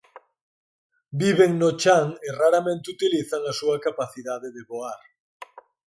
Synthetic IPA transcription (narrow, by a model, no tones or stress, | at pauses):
biβeŋnot͡ʃaŋeraɾamẽnt̪ɪut̪iliθaŋasuɐkapaθiðaðeðeβoaɾ